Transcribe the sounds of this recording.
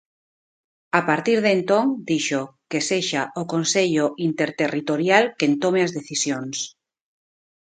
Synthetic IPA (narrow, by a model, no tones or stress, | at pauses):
apaɾt̪iɾðent̪õŋd̪iʃokeseʃaʔokonseʎoʔint̪eɾt̪erit̪oɾjalkent̪omeazðeθisjons